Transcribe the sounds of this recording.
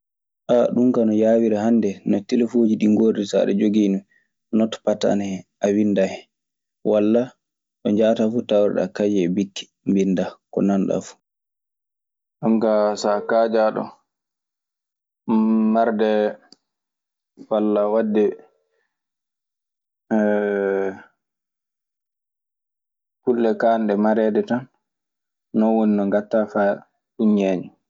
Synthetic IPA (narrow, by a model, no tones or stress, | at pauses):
ʔaɗuŋkanɔjawiɾahandɛnɔtɛlefod͡ʒiɗiŋɡoɾdisa̰ɗɛ̰d͡ʒoɡiːnu | nɔtpata̰nʔawindahɛ | walːa | ɗɔɲd͡ʒaːtafutawɾɛ̰ɗa̰kad͡ʒɛbikːi̥ | mbindakɔ̰nanɗa̰fu̥ | ɗɔŋkasakad͡ʒaɗɔ̰ | maɾdɛ | walːawadːɛ | kulːɛkanɗɛmaɾɛːdɛtɔnː | ɔwoninɔŋɡatːafa | uɲaːɲɛ